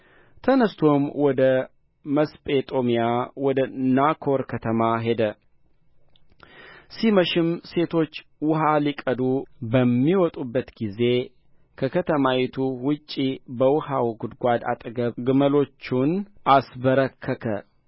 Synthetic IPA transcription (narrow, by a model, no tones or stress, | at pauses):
t̪ʰənəst̪ʰo̞mwɔd̪ə | məspʼet̪ʼo̞mijawɔd̪ənakʰo̞ɾkʰət̪ʰəmaɦe̞d̪ə | siməʃɪmse̞t̪ʰo̞t͡ʃːwʊɦalikʼəd̪ubəmːiwɔt̪ʼubːət̪ɡize̞ | kʰəkʰət̪ʰəmawit̪ʰuwʊt͡ʃʼːibəwʊhawɡʊd̪ɡʷad̪a̰t̪ʼɡəɡɨməlo̞t͡ʃːunʔasbəɾəkʰːəkʰə